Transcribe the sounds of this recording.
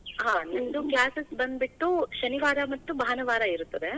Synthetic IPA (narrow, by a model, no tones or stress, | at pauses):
ɦãːnɐnd̪uklaːsesbɐnd̪̚biʈːuʃɐniʋaːɾɐmɐt̪ːubʱaːɐnɐʋaːɾɐiɾut̪ːɐd̪e